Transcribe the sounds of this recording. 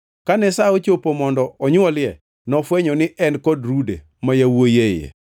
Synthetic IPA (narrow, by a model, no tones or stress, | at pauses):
kanɛsaot͡ʃopomɔndɔʔɔɲwɔlɪjɛ | nɔfwɛɲɔnɪʔɛnkɔdɾudḛ | majawojejḛ